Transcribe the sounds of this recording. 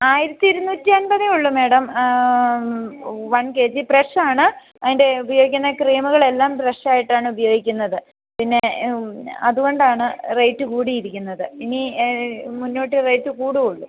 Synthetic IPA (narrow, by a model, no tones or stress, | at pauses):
aːjiɾɐt̪ːiiɾunːuːtːiɐnbɐðiuɭːume̞ːɽɐm | ʋɐɳke̞ːd͡ʑipreʂaːɳɨ | ɐðinde̞ubɐjo̞ːɡikʲːunːɐkreːmuɣɐɭe̞lːaːmpreʂaːjiʈːaːɳɨubɐjo̞ːɡikʲːunːɐðɨ | pinːe̞ | ɐðuɣo̞ɳɖaːɳɨrɐjtːɨkuːɽijiɾikʲːunːɐðɨini | munːo̞ːʈːirɐjtːɨkuːɽiuɭːu